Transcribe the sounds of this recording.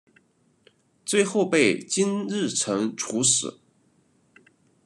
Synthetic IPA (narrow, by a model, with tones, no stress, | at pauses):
t͡swe˥˧ɪxo˥˧ʊpe˥˩ɪt͡ɕi˥nɻɻ̩˥˩ʈ͡ʂʰɤ˧˥ŋʈ͡ʂʰu˧˥ʂɻɹ̩˨˩˦